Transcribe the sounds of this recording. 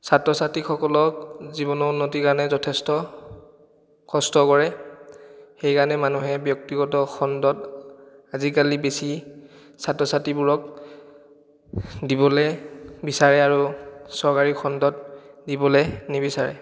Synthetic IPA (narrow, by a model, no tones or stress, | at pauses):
satɹɔsatikxɔkɔlɔk̚zibɔnɔunːotikaɹɔnɛzɔtʰɛstɔ | kɔstɔkɔɹɛ | xejkanɛmanuɦɛbjɔk̚tiɡɔtɔxɔndɔt | azikalibesi | satɹɔsatibuɹɔk | dibɔlɛbisaɹɛaɹusɔɹkaɹixʰɔndɔt̚dibɔlenibisaɹɛ̰